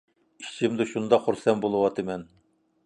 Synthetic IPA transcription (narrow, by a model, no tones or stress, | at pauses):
kʲʰi̥t͡ʃʰimd̪uʃund̪ɑχuɾsɛnbolˠuwɑt̪ʰɨmɛn